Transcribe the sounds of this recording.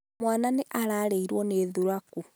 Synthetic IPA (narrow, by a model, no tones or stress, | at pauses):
mwaːnaneʔaɾaleiɾwoneːðuɾaku